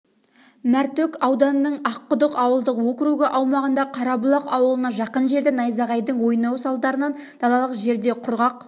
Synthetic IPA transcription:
mæɾt̪ɵkɑwd̪ɑnəːəɴɑqːʊd̪əqɑwəlˠd̪əqwɵkʲɪɾuɡʲɪʔɑwmɑʁənd̪ɑqʰɑɾɑbʊlˠɑqɑwəlˠənɑʒɑqənʒe̞ɾd̪ɪnɑjzɑʁɑjd̪əɴwo̞jnɑwsɑlˠd̪ɑɾənɑn | d̪̥ɑlˠɑlˠəqʒe̞ɾd̪e̞qʰʊɾʁɑq̚

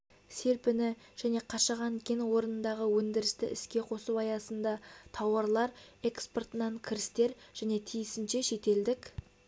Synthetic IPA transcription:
se̞ɾpɪnɪ | ʒ̥æne̞qʰɑʃɑʁɑnkʲʰe̞nwo̞ɾənənd̪ɑʁəwɵnd̪ɪɾɪst̪ɪ̰ʔɪskʲe̞qʰo̞suɑjɑsənd̪ɑt̪ʰɑwɑɾlˠɑɾe̞kspo̞rt̪ənɑɴkʲʰɪɾɪst̪e̞ɾʒ̥æne̞t̪ʰijɪsɪnʃe̞ʃe̞t̪e̞ld̪ɪkʲ

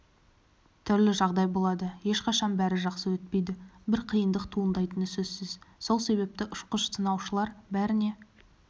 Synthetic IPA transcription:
t̪ʰʏɾlɪʒɑʁd̪ɑjbo̞lˠɑd̪əje̞ʃqɑʃɑnbæɾɪʒɑqsəwɵt̪̚pe̞jd̪ɪbɪɾqʰijənd̪əqt̪ʰuənd̪ɑjt̪ənəsɵzsɪz̥so̞lˠse̞βe̞p̚t̪ɪʔʊ̥ʃqəʃt̪ʰənɑwʃəlˠɑɾbæɾɪne̞

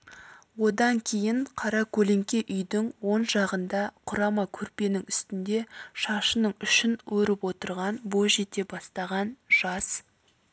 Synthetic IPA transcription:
wo̞d̪ɑŋkʲʰe̞jɪɴqʰɑɾɑkʲʰɵle̞ŋkʲe̞ʔʏjd̪ɪŋwo̞nʒɑʁənd̪ɑqʰʊɾɑmɑkʲʰɵɾpe̞nɪŋʏst̪ɪnd̪e̞ʃɑʃənəɴʏʃɪnwɵɾɪpwo̞t̪əɾʁɑnboʒe̞t̪e̞bɑst̪ɑʁɑnʒ̥ɑs

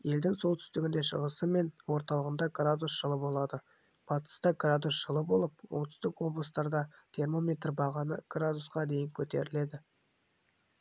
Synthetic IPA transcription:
je̞ld̪ɪŋso̞lˠt̪ʰʏ̥st̪ɪɡʲɪnd̪e̞ʃəʁəsəme̞nwo̞ɾt̪ɑlˠəʁənd̪ɑɡrad̪usʒ̥əlˠəbo̞lˠɑd̪ə | b̥ɑt̪ə̥st̪ɑɡrad̪usʒ̥əlˠəbo̞lˠəp̚wo̞̰ɴt̪ʰʏ̥st̪ɪkwo̞bləst̪ɑɾd̪ɑt̪ʰe̞rmo̞me̞t̪rbɑʁɑnəɡ̥rad̪usqɑd̪e̞jɪŋkʲʰɵt̪e̞ɾɪle̞d̪ɪ

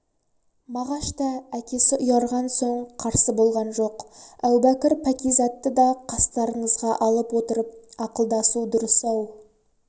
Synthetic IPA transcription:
mɑʁɑʃt̪ɑækʲe̞sɪʔʊjɑɾʁɑnsoɴqʰɑɾsəbo̞lˠʁɑnʒo̞qæwbækʲɪɾpʰækʲijzɑt̪ːəd̪ɑqʰɑst̪ɑɾəɴəzʁɑʔɑlˠəpwo̞t̪əɾəp̚ɑqəlˠd̪ɑsud̪ʊɾəsɑw

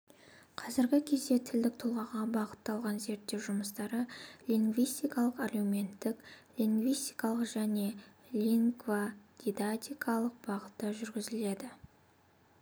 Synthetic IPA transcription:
qʰɑzɪɾɡʲɪkʲʰe̞zd̪e̞t̪ʰɪld̪ɪk̚t̪ʰʊlˠʁɑʁɑbɑʁət̪ːɑlˠʁɑnze̞ɾt̪ːe̞ʒʊməst̪ɑɾəlʲiŋɡvijst̪ijkɑlˠəqarɡumʲe̞nt̪ːɪklʲiŋɡvijst̪ʲijkɑlˠəqʒ̥æne̞ | lʲiŋɡvaɡ̥ʲid̪at̪ʲijkʰɑlˠəq̚bɑʁət̪ːəʒʏɾɡʲɪzɪle̞d̪ɪ

